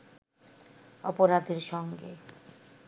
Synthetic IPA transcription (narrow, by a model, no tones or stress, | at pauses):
ɔpoɾad̪ʱeɾʃɔŋɡḛ